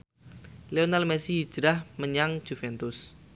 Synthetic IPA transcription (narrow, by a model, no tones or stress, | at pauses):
leonalmɛsiɦːd͡ʒ̥ɾahməɲaŋ̥d͡ʒ̥ufɛnt̪ʊs